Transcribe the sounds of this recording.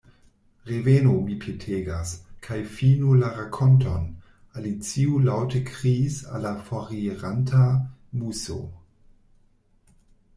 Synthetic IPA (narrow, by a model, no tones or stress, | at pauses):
ʁevenomipʰetʰeːɡaskʰajfiːnulaʁakʰɔntʰon | alit͡siulawtəkʰʁisa̰lafoʁieʁantʰamuso̰